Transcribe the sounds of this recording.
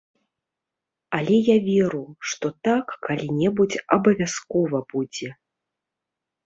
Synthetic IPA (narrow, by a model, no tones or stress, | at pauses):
alʲɛjavʲɛɾuʂt̪ɔt̪akːalʲinʲɛbut͡sʲɐbɐvʲaskɔvɐbud͡zʲɛ